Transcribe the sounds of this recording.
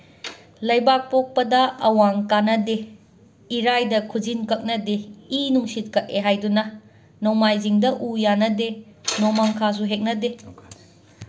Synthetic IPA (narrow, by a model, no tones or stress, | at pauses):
lɐjbak̚pok̚pɐdɐɐwaŋkanɐde | iɾajdɐkʰud͡ʒinkɐk̚nɐdeinuŋsit̚kɐk̚eɦajdunɐ | nomajziŋdɐʔujanɐdenomaŋkʰas̬uɦek̚nɐde